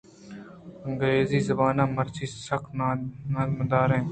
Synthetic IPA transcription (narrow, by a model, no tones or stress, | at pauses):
əŋɡɾeːziːzəbaːnãːməɾt͡ʃʰiːsəkʰnːnəməd̪aːɾẽː